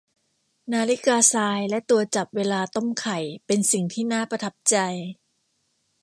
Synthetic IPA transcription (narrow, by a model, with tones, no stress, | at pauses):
naː˧li˦˥kaː˧saː˧jlɛ˦˥t̪u˧ɐt͡ɕa˨˩p̚weː˧laː˧t̪o˥˩mkʰa˨˩jpe˧nsi˨˩ŋt̪ʰiː˥˩naː˥˩pa˧t̪ʰa˦˥p̚t͡ɕa˧j